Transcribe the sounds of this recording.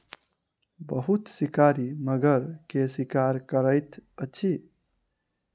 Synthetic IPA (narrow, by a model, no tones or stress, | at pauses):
bəɦut̪sikaɾiməɡəɾkesikaɾkəɾəjt̪ət͡ʃʰi